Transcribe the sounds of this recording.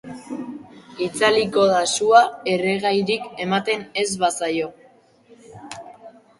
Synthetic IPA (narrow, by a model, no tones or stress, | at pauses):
it͡saliko̞ðasuae̞reɣajɾike̞mat̪e̞ne̞zβasajo̞